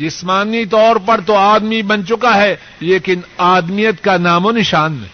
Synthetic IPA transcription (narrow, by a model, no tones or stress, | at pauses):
d͡ʒɪsmaːnit̪ɔːɾpɐɾt̪oaːd̪mibɐnt͡ʃʊkaɦɛ | leːkɪnaːd̪mijət̪kanaːmonɪʃaːnɛ